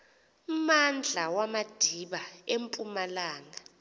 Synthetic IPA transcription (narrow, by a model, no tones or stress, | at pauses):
mand͡ɮʱawamad̥ʱiɓaempʼumalaːŋa